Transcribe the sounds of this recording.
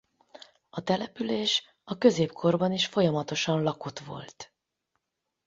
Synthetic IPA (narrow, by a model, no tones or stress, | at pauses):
ɒt̪ɛlɛpyleːʃ | ɒkø̞zeːpkʰo̞rbɒniʃfo̞jɒmɒt̪o̞ʃɒnlɒko̞t̪ʋo̞̰lt̪